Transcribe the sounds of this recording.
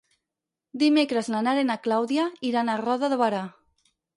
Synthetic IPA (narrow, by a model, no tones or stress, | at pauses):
d̪imekɾeznanaɾenaklawðjaiɾanarɔðaðoβaɾa